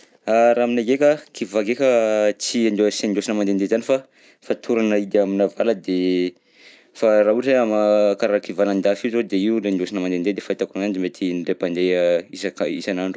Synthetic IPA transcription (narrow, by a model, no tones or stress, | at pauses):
aɾaminaɡekʲakivaɡekʲət͡siand̪send̪osinəmand̪end̪ezanifa | fat̪ʰuɾanəid̪aminavaləd̪e | farauʈ͡ʂeamakaɾakivaland̪afizod̪eiulend̪osinəmanend̪ed̪efait̪akunand̪imet̪ʰinɖ͡ʐepand̪eisakaḭsanaɳɖ͡ʐu